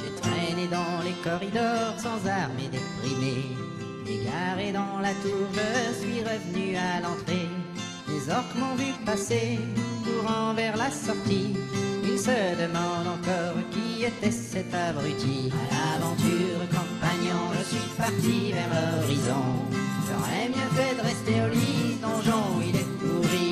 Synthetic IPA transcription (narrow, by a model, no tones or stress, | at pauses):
et̪χɛned̪ɑ̃lekɔʁid̪ɔʁsɑ̃zaʁmed̪epʁime | ḛɡlaʁed̪ɑ̃lat̪uʁʒəsɥiʁəvənyalɑ̃t̪χe | lezɔʁkmɑ̃vypasekuʁɑ̃vɛʁlasɔʁt̪iilsəd̪əmɑ̃d̪ɑ̃kɔʁkʲiet̪ɛsɛt̪abʁyt̪ia̰lavɑ̃t̪yʁkɔ̃paɲɑ̃ʒəsɥipaʁt̪ivɛʁlɔʁizɔ̰̃zɑ̰̃ɛmjɛ̃vɛd̪əʁɛst̪eolid̪ɔ̃ʒɔ̃ilɛkuʁi